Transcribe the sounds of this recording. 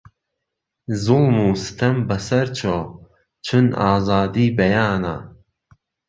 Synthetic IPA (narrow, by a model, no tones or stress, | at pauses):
zʊlmuːsɨ̥t̪ʰɐmbɐsɐɾt͡ʃʰo | t͡ʃʰɨnaːzaːd̪iːbɐjaːna̰